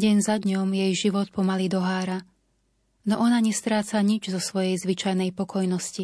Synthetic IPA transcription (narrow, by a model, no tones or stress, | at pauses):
ɟɛnzad̪ɲɔmjɛjʒiʋɔt̪̚pɔmalid̪ɔɦaːɾa | nɔʔɔnaɲɛst̪ɾaːt͡saɲid͡ʒzɔsʋɔjɛjzʋit͡ʃajnɛjpɔkʰɔjnɔsci